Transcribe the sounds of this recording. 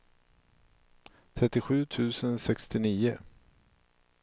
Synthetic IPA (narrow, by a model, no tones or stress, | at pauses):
t̪ʰɾɛt̪ːɪɧʉ̟ːt̪ʰʉ̟ːsənsɛkst̪ɪniːʊ